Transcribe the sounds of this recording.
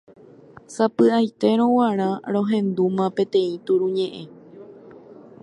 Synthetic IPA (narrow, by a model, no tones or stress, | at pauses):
sapɨajt̪e̞ɾ̃õwaɾ̃ãɾ̃õ̞ɦẽ̞nd̪umãpẽ̞t̪ẽ̞ĩt̪uɾuɲẽ̞ʔe̞